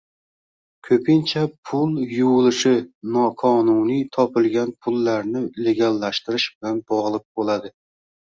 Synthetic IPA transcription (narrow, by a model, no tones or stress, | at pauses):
kʲʰɵpʰɪnt͡ʃʰapʰʊlˠjuwlɪʃɪnɒqʰɒnunijt̪ʰɒpɪlˠɡʲanpʰʊlːaɾnɪle̞ɡʲalːaʃt̪ɪɾɪʃbɪlanbɒʁlˠɪk̚bolad̪ɪ